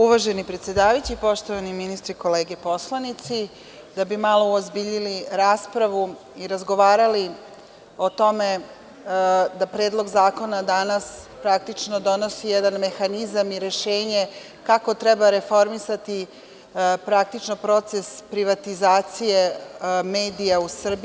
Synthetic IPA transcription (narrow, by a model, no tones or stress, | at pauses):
uʋaʒenipɾet̪sjed̪aːʋajit͡ɕipo̞ʃt̪oʋaniminist̪ɾiko̞leːɡepo̞slˠanit̪si | d̪abimalˠo̞ozbiʎiliɾaːspɾaʋu | iɾazɡo̞ʋaːɾali | o̞t̪o̞me̞ | d̪apɾeːd̪lˠo̞ɡzaːko̞nad̪anaspɾak̚t̪it͡ʃnod̪o̞no̞sijɛd̪anme̞xanizamiɾe̞ʃeːɲe̞ | kako̞t̪ɾɛbaɾe̞fo̞ɾmisat̪i | pɾak̚t̪it͡ʃno̞pɾo̞t̪se̞spɾiʋat̪izaːt̪sije̞meːd̪ijausr̩b